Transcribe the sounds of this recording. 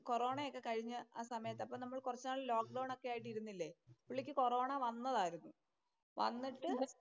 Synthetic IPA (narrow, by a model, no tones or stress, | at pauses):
ko̞ro̞ːɳɐjokːe̞kɐɻiɲːɨaːsɐmɐjɐt̪ːeɐpːoːnɐmːɐɭkurɐt͡ɕːaːɭlo̞ːk̚ɖɐwɳo̞kːe̞jaːjiʈːiɾunːilːe̞ːpiɭːikʲːɨko̞ro̞ːɳɐʋɐnːɐðaːjiɾunːu | ʋɐ̰nːiʈːɨ